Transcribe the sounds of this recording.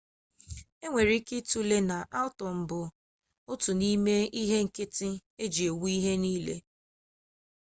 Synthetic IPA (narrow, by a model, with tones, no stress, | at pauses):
e˦ŋʷe˨ɾi˦kɪ˦tu˦le˦na˨ʔa˦ʊ˦tɔ˨m̩˨bʊ˨ | ʊ˦tʊ˨ni˦me˦i˦ɦe˦ŋ̩˨kɪ˦tɪ˦e˦d͡ʒi˨e˨wu˦i˦ɦe˦niː˦lḛ˦